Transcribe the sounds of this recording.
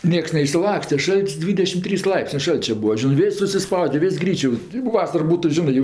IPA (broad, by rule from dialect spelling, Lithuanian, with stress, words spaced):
ˈnʲiɛks nʲɛɪʃʲsʲɪˈlˠɑːksʲtʲɛ ˈʃɐlʲtʲsʲ ˈdʲʋʲiːdʲɛʃʲɪm ˈtʲrʲiːs ˈlˠɐɪpʲsʲnʲeː ˈʃɐlʲt͡ʃʲɛ ˈbuːɐ ˈʒʲɪnɜ ˈʋʲɪsʲ sʊsʲɪˈspɐʊdʲɛ ˈʋʲɪsʲ ˈɡrʲiːt͡ʃʲoː oː ˈʋɑːsɐr ˈbuːtʊ ˈʒʲɪnɜ jɛʊ